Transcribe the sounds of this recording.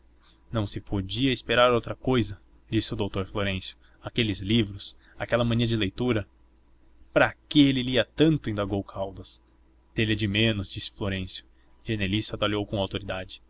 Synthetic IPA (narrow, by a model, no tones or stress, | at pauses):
nɐ̃w̃sɪpʰod͡ʒiɐɪspeɾaɾowt̪ɾɐkojzɐ | d͡ʒisɪʊd̪owt̪oɾfloɾẽsjʊ̥ | akelɪzlivɾʊs | akɛlɐmɐ̃nĩɐd͡ʒɪlejt̪uɾɐ | pɾakɪelɪliɐt̪ɐ̃nt̪ʊĩnd̪aɡowkʰawd̪ɐs | d̪̥elɛd͡ʒɪmẽnʊzd͡ʒisɪ̥floɾẽsjʊ̥ | ʒenelisat̪aliowkõawt̪oɾid̪ad͡ʒɪ̥